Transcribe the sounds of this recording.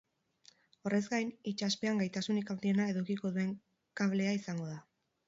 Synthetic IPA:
o̞rʔe̞zɡajnit͡ʃaspe̞aŋɡajt̪asunikawnd̪ie̞nae̞ðukiko̞ðue̞ŋ | kaβle̞aisaŋɡo̞ða

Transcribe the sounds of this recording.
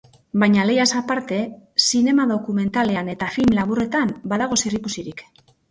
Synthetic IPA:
bajɲale̞jasapaɾt̪e̞sine̞maðo̞kume̞nt̪ale̞ane̞t̪afilmlaβure̞t̪ambaðaɣ̞o̞serikusiɾik

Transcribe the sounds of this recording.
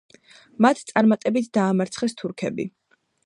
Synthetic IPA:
mat̪ʰt̪sʼaɾmat̪ʼɛbit̪ʰd̪aːmaɾt̪sʰχɛst̪ʰuɾkʰɛbḭ

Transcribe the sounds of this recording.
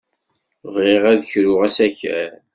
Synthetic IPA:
vʁeʁæðəçɾʊʁæsæçæ̰ɾ

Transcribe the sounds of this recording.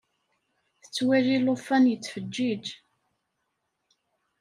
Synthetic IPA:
θə̥t͡sːwæʒilʊfːænjət͡sːfəd͡ʒːid͡ʒ

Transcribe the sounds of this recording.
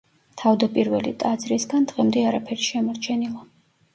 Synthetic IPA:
t̪ʰavd̪apʼiɾvɛlit̪ʼad̪zɾisɡand̪̥ʁɛmd̪ɛaɾapʰɛɾiʃɛmɔɾt͡ʃʰɛnilˠa

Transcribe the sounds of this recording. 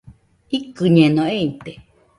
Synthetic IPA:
ikɨɲenõeit̪e

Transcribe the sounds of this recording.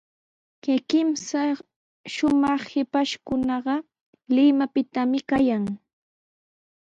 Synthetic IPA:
kɪkɪmsa | ʃʊmɑχhɪpaʃkʊnɑɢɑ | lɪmapɪt̪amɪkajaŋ

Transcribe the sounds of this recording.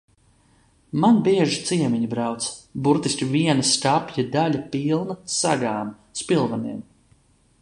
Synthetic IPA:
manbiɛʒit̪siɛmʲiɲubɾawt̪sbuɾt̪isʲkʲiviɛnast̪apjad̪alʲapilˠnasa̰ɡaːm | spilˠvaniɛm

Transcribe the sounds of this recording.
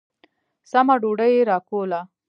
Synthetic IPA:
samaɖoɖəjeɾɑkola

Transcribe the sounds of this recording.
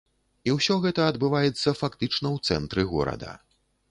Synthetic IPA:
iwsʲɔɣɛt̪ɐɐd̪bɨvajɛt̪sːɐfakt̪ɨt͡ʂnɐwt̪sɛnt̪ɾɨɣɔ̰ɾɐ̰d̪ɐ̰

